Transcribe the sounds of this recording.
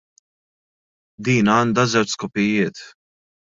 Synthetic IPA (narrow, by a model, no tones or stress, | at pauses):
d̪iːnɐːnd̪ɐzɛwt͡ʃskʊpɪjɪːt̪